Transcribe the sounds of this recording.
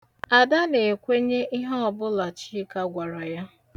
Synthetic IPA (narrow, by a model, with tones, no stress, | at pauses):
a˨da˦ne˨kʷe˦ɲe˦ʔi˦ɦa˦ɔ˨bʊ˦la˨t͡ʃi˦ka˦ɡʷa˨ɾɔ˨ja˦